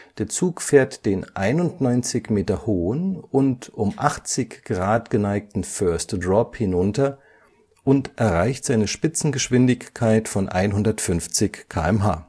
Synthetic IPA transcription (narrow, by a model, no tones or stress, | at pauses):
d̥eːɐt͡suːkfeːɐtd̥eːnʔaɪnʊntnɔʏnt͡sɪçmeːtɐhoːənʊntʔʊmʔaχt͡sɪçɡ̥ʁaːtɡ̥ənaɪk̚tn̩fœɐstd̥ʁɔphɪnʊntɐ | ʔʊntʔɛɐʁaɪçtz̥aɪnəʃpɪt͡sn̩ɡəʃv̥ɪndɪçkʰːaɪtfɔnʔa̰ɪnɦʊndɐtfʏnft͡sɪçkʰa̰ːɛmɦaː